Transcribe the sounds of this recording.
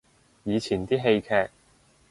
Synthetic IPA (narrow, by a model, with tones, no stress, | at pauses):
jiː˨˧t͡sʰiː˨˩nt̪iː˥ɦe˧jkʰɛː˧k̚